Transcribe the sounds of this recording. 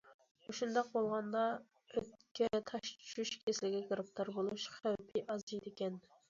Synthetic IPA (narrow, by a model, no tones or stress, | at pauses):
uʃund̪ɑq̚bolˠʁɑnd̪ɑ | øt̪̚kʲʰɛt̪ʰɑʃt͡ʃʃuʃkʲʰeslɪɡʲɛkʰɾɨpt̪ʰɑɾbolˠuʃχæwpʰɪʔɑzijd̪ekʲɛn